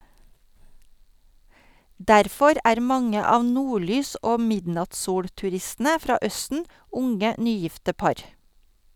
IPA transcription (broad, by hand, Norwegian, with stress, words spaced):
ˈdæɾfɔɾ ˈʔæːɾ ˈmɑŋə ˈɑːʋ ˈnuːˌɭyːs ˈʔoː ˈmɪdnɑtsˌsuːɽtʉˌɾɪstn̩ə ˈfɾɑː ˈœstn̩ ˈʊŋə ˈnyːˌjɪftə ˈpɑɾ